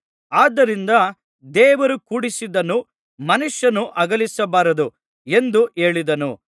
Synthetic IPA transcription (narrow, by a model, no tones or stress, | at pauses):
aːd̪ːɐɾind̪ɐ | d̪ɛːʋɐɾukuːɽisid̪ɐnu | mɐnuʂjɐnuʔɐɡɐlisɐbaːɾɐd̪u | e̞nd̪uʔe̞ːɭid̪ɐnṵ